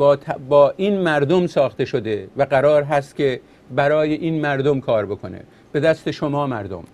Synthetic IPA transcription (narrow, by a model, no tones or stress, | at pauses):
bːt̪ʰbɒːʔiːnmæɾd̪omsɒːxt̪e̞ʃod̪e̞væɡæɾɒːɾɦæst̪̚cʲʰe̞ | bæɾɒːjeʔiːnmæɾd̪omkʰɒːɾbokʰo̰nḛ | b̥e̞d̪æst̪e̞ʃomɒːmæɾd̪o̰m